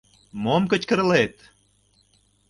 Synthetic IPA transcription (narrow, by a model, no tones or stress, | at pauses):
momkə̆t͡ɕkə̆ɾlet̪